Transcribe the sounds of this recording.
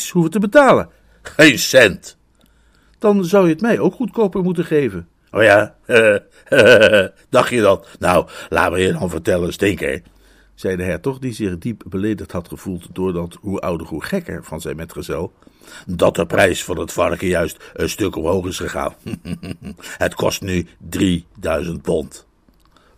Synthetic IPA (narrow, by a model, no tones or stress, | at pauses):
sɦuvəntəbətaːlən | ejnsɛnt | d̥ɑnzʌwjəətmɛjowkχutkowpəɹmutəχejvən | ʔoːjaː | d̥ɑχtjədɑtnowla̰ːtməjədɑnvəɹtɛlənstɪŋkḛj | z̥ɛjdəɦɛɹtɔχdizɪχdipbəlejdəχtɦɑtχəv̥ulˠtd̥ʊːɹdɑtɦuʔʌ̰wdərɦuχɛkə̰ɹv̥ɑnzɛjnmɛtχəzɛlˠdɑt̚əprɛjsfʊːɹətfɑɹəkəjœɥstənstɵkɔmɦowχɪsχəχa̰ːn | ɦətkɔ̰stnydridœɥzənt̚pɔnt